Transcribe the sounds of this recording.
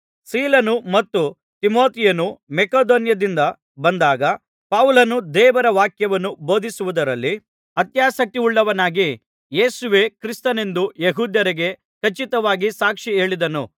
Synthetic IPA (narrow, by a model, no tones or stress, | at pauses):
siːlɐnumɐt̪ːu | t̪imo̞ːt̪ijɐnumekoːd̪oːnjɐd̪ind̪ɐ | bɐnd̪aːɡɐ | pawlɐnud̪ɛːʋɐɾɐʋaːkjɐʋɐnːubo̞ːd̪ʱisuʋud̪ɐɾɐlːi | ɐt̪jaːsɐk̚t̪iuɭːɐʋɐnaːɡi | jeːsuʋeːkɾist̪ɐne̞nd̪ujeɦuːd̪jɐɾɐɡe̞ | kɐt͡ʃit̪ɐʋaːɡisaːkʂie̞ːɭid̪ɐnu